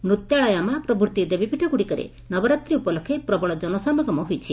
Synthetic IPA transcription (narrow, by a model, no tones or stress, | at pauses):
mɾut̪jaɭɔjamapɾɔbuɾt̪id̪ebipʰiʈʰɔɡuɽikɔɾḛ | nɔbɔɾat̪ɾiupɔlɔkʰepɾɔbɔɭɔd͡ʒɔnɔsɔmɔɡɔmɔɦujt͡ʃʰi